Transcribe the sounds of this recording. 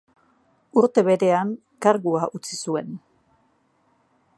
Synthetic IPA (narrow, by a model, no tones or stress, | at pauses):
uɾt̪e̞βe̞ɾe̞aŋ | kaɾɣuaʔut͡sisue̞n